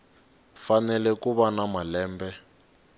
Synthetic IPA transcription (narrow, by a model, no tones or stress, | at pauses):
fanɛlɛkuβanamalɛːmbɛ